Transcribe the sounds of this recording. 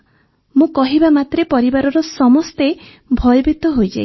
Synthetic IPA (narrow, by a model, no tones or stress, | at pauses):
mũkɔɦibamat̪ɾepɔɾibaɾɔɾɔsɔmɔst̪e | bʱɔjɔbit̪ɔɦojd͡ʒa̰i